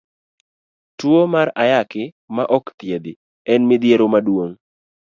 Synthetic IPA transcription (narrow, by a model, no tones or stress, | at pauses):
twomaɾajakɪ | maʔɔkt̪jed̪ɪ | ɛnmɪd̪jeɾomadwoŋ